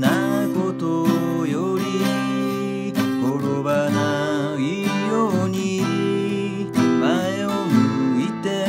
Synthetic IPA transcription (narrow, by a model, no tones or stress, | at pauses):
nakot̪o | joɾi | koɾoβana | iioɲiɾi | maeomɯit̪e